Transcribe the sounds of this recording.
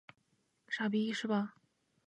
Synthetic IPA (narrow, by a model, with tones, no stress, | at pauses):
ʂa˨˥˩pi˧˥ʂɻ̩˥˩bɐ˩